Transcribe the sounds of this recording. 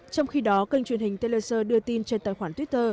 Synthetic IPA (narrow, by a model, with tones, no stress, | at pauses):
t͡ɕɔ˧wŋ͡mxi˧ɗɔ˨˦kə˧ŋ̟t͡ɕwənhï˨˩ŋ̟t̪e˧le˧səː˧ɗɨ˧ət̪i˧nt͡ɕe˧nt̪aː˧˨jxwaː˧˩t̪wt̚t̪əː˧